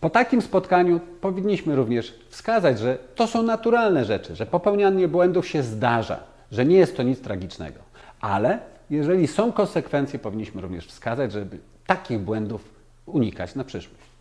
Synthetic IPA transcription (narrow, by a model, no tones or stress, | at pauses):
pɔt̪akʲimspɔt̪kaɲupɔvʲiɲʲːiɕmɘɾuvɲɛʂ | fskazad͡ʑʐɛt̪ɔsɔ̃w̃nat̪uɾalnɛʐɛt͡ʂɘʐɛpɔpɛwɲaɲːɛbwɛnd̪ufɕɛzd̪aʐa̰ | ʐɛɲɛjɛst̪ːɔɲit̪st̪ɾaɡʲit͡ʂnɛ̰ɡɔ | ʔa̰lɛ | jɛʐɛlʲisɔ̃w̃kɔnsɛkfɛnt̪sjɛpɔvʲiɲːiɕmɘɾuvɲɛ̰ʂfskazad͡ʑʐɛbɘ | t̪akʲiɣbwɛnd̪uf | uɲika̰t͡ɕnapʂɘʂwɔɕt͡ɕ